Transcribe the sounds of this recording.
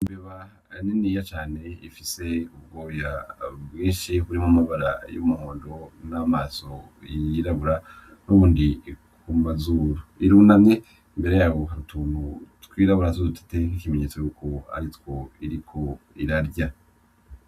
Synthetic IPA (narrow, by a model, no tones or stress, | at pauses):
imbeβa | ninijat͡ʃaːne̞ifiseub̚ɡo̞ːjabɡĩːnʃihuɾimumaβaɾa̰jumuhoːndonamaso | jiɾaβuɾa | nuβuːndikʰumazuːɾoiɾuːnamɲe̞ | mbe̞ɾe̞jaːwo̞ɦaɾutʰuːnutwiːɾaβuɾazudutʰḁte̞ŋikimeɲe̞ːt͡sojuːkʰo̞a̰ɾitwo̞iɾikʰo̞iɾaɾɟa